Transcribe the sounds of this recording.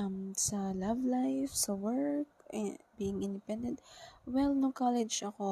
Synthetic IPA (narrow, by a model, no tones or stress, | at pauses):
msɐlavlajfsɐwɛɹk̚biːɪ̃ŋʔɪ̃nd̪ɛpɛ̃nd̪ɛ̃nt̪̚wɛlnʊŋkalɛd͡ʒʔɐko